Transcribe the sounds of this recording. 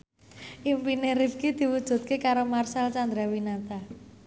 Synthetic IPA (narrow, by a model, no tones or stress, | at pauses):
ʔimpineɾib̚kid̪̥i̤wud̥ʒ̥ṳt̪̚kekaɾomarsalt͡ʃand̪ɾawinat̪a